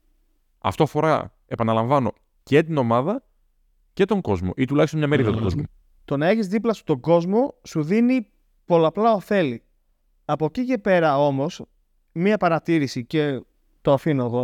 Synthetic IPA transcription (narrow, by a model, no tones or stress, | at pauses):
ɐ̰ft̪o̞ɐfo̞ɾɐ̰ | e̞pɐnɐlɐ̃ɱvɐno̞ | cet̪ino̞mɐðɐ | ce̞t̪o̞ŋɡo̞zmo̞̰ʔit̪ulɐçst̪omɲɐme̞ɾiðɐt̪oɡo̞zmo | t̪o̞nɐe̞çizðiplɐsu̥t̪o̞ɡo̞zmo̞suðini | po̞lɐplɐoθe̞li | ɐpo̞cice̞pe̞ɾɐo̞mo̞s | miɐepɐɾɐt̪iɾisice̞ | t̪oɐfinoðo̞